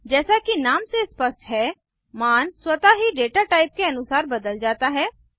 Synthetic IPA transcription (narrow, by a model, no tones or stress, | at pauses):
d͡ʒɛːsakinaːmsespəsʈɦɛː | maːnswət̪aɦiɖeːʈaʈaːɪp̚keɐnʊsaːɾbɐd̪əld͡ʒaːt̪aɦɛː